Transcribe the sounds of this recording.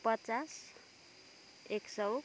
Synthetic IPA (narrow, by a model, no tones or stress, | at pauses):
pət͡sas | eksəw